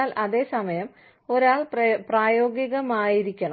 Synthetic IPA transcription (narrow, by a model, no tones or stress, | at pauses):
aːlʔɐðe̞ːsɐmɐjɐm | o̞ɾaːɭppraːjo̞ːɡiɣɐmaːjiɾikʲːɐɳɐ